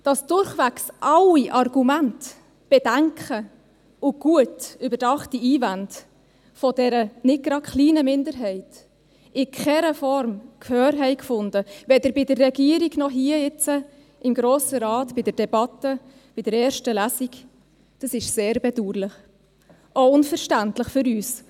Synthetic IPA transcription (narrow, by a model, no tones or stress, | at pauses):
d̥ɑsd̥ʊɾχʋæksʔɑwiʔɑrɡ̥umænt | b̥ɛd̥æŋkʰχə | ʊɡ̥uətybəɾd̥ɑχtiiːvænd | fɔd̥ɛɾənɪt̚ɡ̥ɾɑkχliːnəmɪndəɾɦɛɪt | ʔɪkχɛɾəfɔɾmkʰhœːɾɦɛɪkfʊnd̥əvɛd̪əɾbɪdərːɛɡiəɾiɡnɔɦiːəɪt͡sə | ɪmɡɾoːsəɾɑːtb̥ɪdəɾd̥ɛbɑtə | b̥ɪdəɾɛːɾʃtəlæsik | d̥ɑsɪʃseːɾbɛduːɾlɪχ | oʊnfəɾʃtæntləχfʏɾyːs